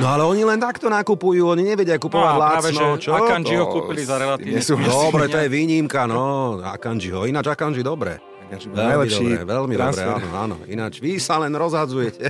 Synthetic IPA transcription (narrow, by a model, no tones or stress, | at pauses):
nɔalɛɔɲilɛnt̪akt̪ɔnakupujuːɔɲiɲɛʋɛɟɪakupɔʋaɟlaːat͡sɛnɦɔt͡ʃɔkand͡ʒiɦɔkuːpilizaɾɛlaiɛsud̪ɔbɾɛt̪ɔjɛʋiːɲimkanɔa̰kand͡ʒiɦɔinad͡ʒakand͡ʒid̪ɔbɾɛ̰ | ʋɛllid̪ɔibɾɛ̰ʋɛlmid̪ɔbɾɛ̰a̰nɔ̰a̰ːnɔ̰ḭnad͡ʒʋisalɛnɾɔzɦad͡zujɛcɛ